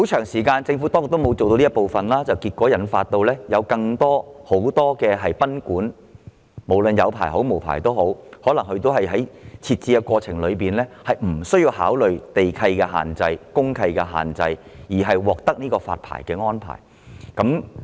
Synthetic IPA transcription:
ho˨˥wt͡ʃʰœː˨˩ŋsiː˨˩kaː˧nt͡sɪ˧ŋfu˨˥t̪ɔː˥ko˨t̪o˥m˨˧wt͡so˨wt̪o˧li˥tpo˨˩wfɐ˨nlaː˥t͡sɐ˨wkiː˧t̚kʷɔː˨˥jɐ˨˥nfa̰ː˧t̚t̪o˧wlɛː˥jɐ˨˧wkɐ˧ŋt̪ɔː˥ho˨˥wt̪ɔː˥kɛː˧ɦɐ˨jpɐ˥nkuː˨˥n | mo˨˩wlɵ˨njɐ˨˧wpʰa̰ː˨˩jɦo˨˥wmo˨˩wpʰa̰ː˨˩jt̪o˥wɦo˨˥whɔː˨˥lɐ˨˩ŋhɵ˧t̪o˥whɐ˨jɦɐ˨˥jt͡sʰiː˧t̚t͡siː˧kɛ˧kʷɔː˧t͡sʰɪ˨˩ŋlɵ˨˧ɥpiː˨nlɛː˥hɐ˨jm̩˨˩sɵ˥ɥjiː˧wɦa̰ː˨˥wlɵ˨ɥt̪e˨jkʰɐ˧jkɛː˧ɦa̰ː˨˩nt͡sɐ˧jkʊ˥ŋkʰɐ˧jkɛː˧ɦa̰ː˨˩nt͡sɐ̰˧j | jiː˨˩ɦɐ˨jwɔː˨k̚t̪ɐ˥k̚niː˥kɔː˧fa̰ː˧t̚pʰa̰ː˨˩jkɛː˧ŋɔː˥npʰa̰ː˨˩j | kɐ˨˥m

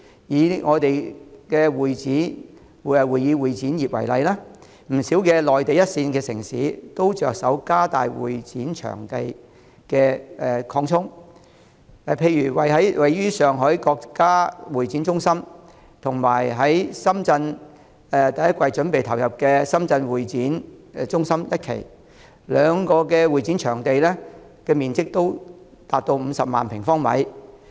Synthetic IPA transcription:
jiː˨˧ŋɔː˨˧t̪e˨jkɛː˧wuː˨jt͡siː˨˥˨ | wu˨˩jːiː˨˧wuː˨˩jt͡siː˨˥njiː˨p̚wɐ̰˨˩jlɐ˨jlɛː˥ | m̩˨˩siː˨˥wkɛː˧lɔː˨jt̪e˨jɐ˥t̚siː˧nkɛː˧sɪ˨˩ŋsḭː˨˥t̪o˥wt͡ʃœː˨k̚sɐ̰˨˥wkaː˥t̪a̰ː˨jwṵː˨jt͡siː˨˥nt͡ʃʰœ̰ː˨˩ŋt̪e˨j | kɛː˧ʔɛ˨˧kʰɔː˧ŋtʰʊ˥ŋ | ɛ˨˩pʰe˧jɥyː˨˩wɐ˨jɦɐ˨˥jwʔɐ˨jɥyː˥sœː˨ŋɦœː˨˥jkɔː˧kkːaː˥wuː˨˩jt͡siː˨˥nt͡sʊ˥ŋsɐ˥m | t̪ʰʊ˨˩ŋmaː˨˩jɦɐ˨˥jsɐ˥mt͡sɐ˧n | ɛ˨t̪ɐ˨jɐ˥t̚kʷwɐ˧jt͡ʃɵ˨˥npe˨jt̪ʰɐ˨˩wjɐ˨p̚kɛː˧sɐ˥mt͡sɐ˧nwuː˨jt͡siː˨˥n˧t͡sʊ˥ŋsɐ˥mjɐ˥t̚kʰḛ˨˩j | lœː˨˧ŋkɔː˧kɛː˧wuː˨˩jt͡siː˨˥nt͡ʃʰœː˨˩ŋt̪e˨jlɛː˥ | kɛː˧miː˨nt͡sɪ˥k̚t̪o˥w | t̪aː˧t̚t̪o˧wm̩ː˨˧sɐ˨p̚ma̰ː˨npʰɪ˨˩ŋfɔː˥ŋmɐ̰˨˥j

